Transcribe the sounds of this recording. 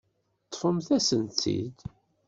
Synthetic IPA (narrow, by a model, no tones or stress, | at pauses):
t̪ˤːfəmθæsənt̪ːḭd̪